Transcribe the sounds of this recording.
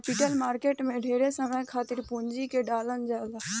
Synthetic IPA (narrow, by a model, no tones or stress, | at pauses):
piʈəlmaːɾkeːʈmẽːɖʱeːɾeːsəmɛ̃ːkʰaːt̪ɪɾpuːɲd͡ʒiːkeːɖaːlənd͡ʒaːlaː